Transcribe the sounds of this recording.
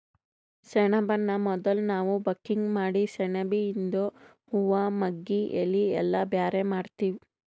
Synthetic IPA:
sɛɳɐbɐnːɐmɔd̪ɐlnaːʋubɐkːiŋɡmaːɽisɛɳɐbiːnd̪o | huʋamɐɡːiʔḛlːiɛlːɐbjaːɾemaːɽt̪iːʋi

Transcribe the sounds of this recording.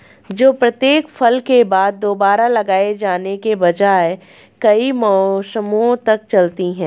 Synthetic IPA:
d͡ʒoːpɾɐt̪jeːkfʰɐlkebaːd̪̚ːoːbaːɾalɐɡaːed͡ʒaːnekebɐd͡ʒaːe | kɐimɔːsəmõt̪ɐk̚t͡ʃɐlt̪iɦɛ̃ː

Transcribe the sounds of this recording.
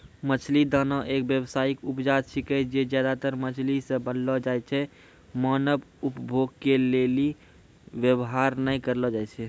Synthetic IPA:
mət͡ʃʰlid̪ənəʔekbjəbsaikupd͡ʒat̪ʃikəd͡ʒed͡ʒjad̪at̪əɾmət͡ʃʰlisə̃bənlɔd͡ʒajt͡ʃʰɛ | mənəbupbʱoɡ̚keleli | ʋjəbɦaɾnəjkəɾlɔd͡ʒajt͡ʃʰɛ

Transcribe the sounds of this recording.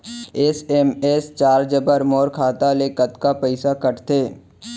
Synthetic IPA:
esemest͡ʃaːɾd͡ʒəbəɾmɔːɾkʰaːt̪alekət̪kapəɪsakəʈt̪ʰeː

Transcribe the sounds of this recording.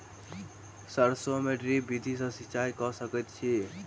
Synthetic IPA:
səɾsomeɖɾibid̪ʱis̬ə̃sit͡ʃajkɔsəkɛt̪t͡ʃʰi

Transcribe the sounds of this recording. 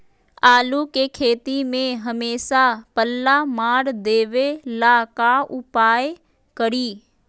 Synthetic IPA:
aːlukekʰeːt̪imẽɦɐmeːʃapəlːamaːɽd̪eːʋelaːkaʊpaːj | kəɾiː

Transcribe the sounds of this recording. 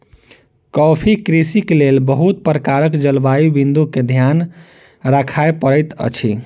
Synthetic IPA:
kɔpʰikɾisikelelbəɦut̪̚pɾəkaɾəkd͡ʒəlbaibind̪uked̪ʱjan | ɾakʰaepəɾəɪt̪ə̰t͡ʃʰi

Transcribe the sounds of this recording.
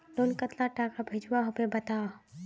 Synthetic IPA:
lonkət̪laʈakabʱed͡ʒwaɦʊpebɐt̪aː

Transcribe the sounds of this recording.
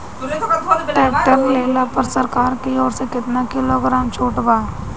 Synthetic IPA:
ʈɛːk̚ʈəɾleːlapɐɾsəɾkaːɾkiɔːɾsekɪt̪nakɪloɡɾaːmt͡ʃʰoːʈbaː

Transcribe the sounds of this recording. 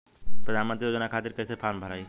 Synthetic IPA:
pɾəd̪ʱaːnmənt̪ɾijoːd͡ʒənakʰaːt̪ɪɾkəjsepʰaːmbʱəɾaːiː

